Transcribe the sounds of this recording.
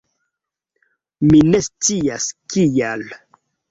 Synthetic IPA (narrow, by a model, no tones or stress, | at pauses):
minest͡siaskijal